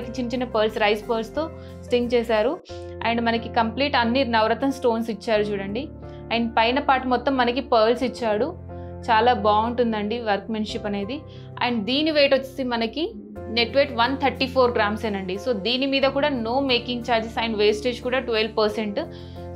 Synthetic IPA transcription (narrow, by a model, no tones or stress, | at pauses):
ɐkit͡ʃint͡ʃinɐpɐːɾlsɾɐjspɐːlst̪o̞ː | sʈiŋɡt͡ʃɛːsaːɾu | ɐ̰jɐɳɖmɐnɐkikɐmpliːʈɐnːinɐʋɾɐt̪ɐmsʈo̞ːnsit͡ʃːaːɾut͡ʃuːɽɐɳɖi | aːjɐnɐpɐjnɐpaːʈumɔt̪ːɐmːɐnɐkipɐːɾlsit͡ʃːaːɽu | t͡ʃaːlaːbaːuɳʈund̪ɐɳɖiʋɐɾkmeːnʂipːɐne̞ːd̪ḭ | ɐ̰jɐɳɖd̪iːniʋe̞ːʈʋɐt͡ʃːisimɐnɐki | ne̞ʈʋeːʈʋɐnt̪ʰɐɾʈiːpʰoːɾɡɾaːmseːnɐɳɖiso̞ːd̪iːnimiːd̪ɐkuːɽaːno̞ːme̞ːkiŋɡt͡ʃaːɾd͡ʒesaːjɐnɐʋeːsʈeːd͡ʒkuːɽaːʈʋelbpɐɾse̞ɳʈ